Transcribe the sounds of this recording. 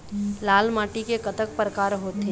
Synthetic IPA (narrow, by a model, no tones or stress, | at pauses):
laːlmaːʈikekət̪ək̚pɾəkaːɾɦoːt̪e